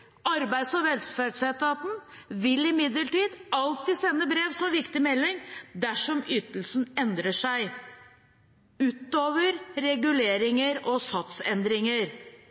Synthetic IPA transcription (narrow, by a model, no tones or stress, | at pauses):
ɑɾbæɪd̪sɔʋɛlsfæɖsɛt̪ːɑt̪n̩ʋɪlɪmɪd̪ləʈiːd̪ɑlt̪iːsɛnːəbɾeːʋsɔmʋɪkt̪ɪmɛlːɪŋd̪æʂɔmyːt̪əlsnɛnd̪ɾəʂæɪ | ʉːt̪oːʋəɾɾɛɡʉleːɾɪŋəɾɔsɑt̪sɛnd̪ɾɪŋəɾ